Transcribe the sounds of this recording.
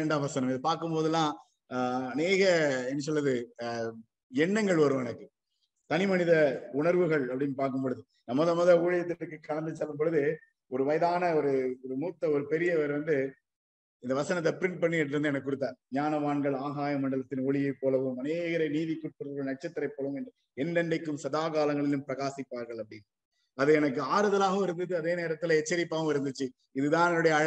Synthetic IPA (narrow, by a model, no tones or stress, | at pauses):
ɛɳɖaːʋɐsɐnɐmɪðɐpaːɾkɯmpoːðɯlːãː | ɐneːɣɐɛnːɐs̬ɔlːɐðɯ | ɛɳːɐŋɡɐɭɐɾɯʋɐnɐkːɯ | t̪ɐnɪmɐnɪðɐʊɳɐɾʋɯɣɐɭɐpːɐɽɪnpaːɾkɯmpɔɻɯðɯ | nɐmːɐːðɐmɐðɐuːɻɪjɐt̪ːɪɾɯkːɯkːɐɭɐnd̪ɯt͡ʃːɐlːɯmpɔɻɯðɯ | ɔɾɯʋɐjɐðaːnɐɔɾɯɔɾɯmuːt̪ːɐɔɾɯpɛɾɪjɐʋɐɾʋɐnd̪ɯ | ɪnd̪ɐʋɐsɐnɐt̪ːɐpɪɾɪɳʈ̚pɐɳːiɛʈːɯɾɯnd̪ɯɛnɐkɯkːʊɽɯt̪ːaːɲaːnɐʋaːɳɡɐɭaːɣaːjɐmɐɳɖɐɭɐt̪ːɪnoːɭɪjɐɪpːoːlɐʋɯmɐneːɣɐɾɐɪniːðikːʊʈ̚pɯɾɐɣɐɭnɐʈ̚t͡ʃɐt̪ːɪɾɐɪpːoːlɐʋɯmɛnd | ɛnɖɛnɖɐɪkːɯmsɐðaːkaːlɐŋɡɐɭɪlɯmpɪɾɐɣaːsɪpːaːɾɣɐɭɐpːɐɽɪn | ɐðɯɛnɐk̬ːɯaːɾɯðɐlaːɣɐɪɾɯnd̪ɯt͡ʃːɯɐðeːneːɾɐt̪ːɪlɐɛt͡ʃːɐɾɪpːaːɐmɪɾɯnd̪ɯt͡ʃːɯ | ɪðɯðãːnɛnɯɽɐjɐɻ